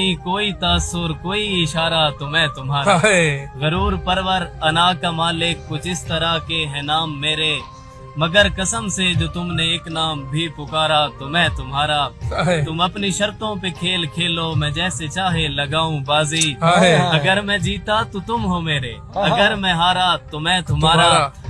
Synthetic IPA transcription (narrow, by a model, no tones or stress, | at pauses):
ikoːit̪aːsʊɾkoːiɪʃaːɾat̪omɛ̃t̪ʊmɦaːɾazəɾuːɾpəɾʋəɾɐnaːkamaːlɪkkʊt͡ʃɪst̪əɾakeɦɛ̃naːmːeːɾe | mɐɡəɾkɐsəmsed͡ʒoːt̪ʊmneeːknaːmbʱipʊkaːɾat̪omɛ̃t̪ʊmɦaːɾaːt̪ʊmɐpniʃɐɾt̪õpekʰeːlkʰeːloːmɛ̃ːd͡ʒɛːset͡ʃaːɦelɐɡaːũbaːziːɐɡəɾmɛ̃d͡ʒiːt̪at̪ot̪ʊmɦomeːɾḛ | ɐɡəɾmɛ̃ɦaːɾat̪ʊmɛ̃t̪ʊmɦaːɾaː